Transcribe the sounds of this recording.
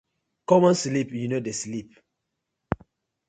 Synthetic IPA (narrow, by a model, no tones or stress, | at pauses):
kɔmɔ̃nslipjunodeslip̚